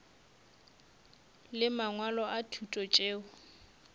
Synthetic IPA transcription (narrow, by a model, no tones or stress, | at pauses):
lɪmaŋwalɔʔatʰutʼɔt͡ʃʼeːʊ